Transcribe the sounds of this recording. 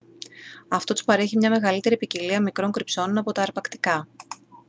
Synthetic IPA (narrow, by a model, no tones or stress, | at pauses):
ɐft̪o̞t̪u̥spɐɾe̞çimɲɐme̞ɣɐlit̪e̞ɾipiciliɐmikɾo̞ŋkɾipso̞nonɐpo̞t̪ɐːɾpɐkt̪ikɐ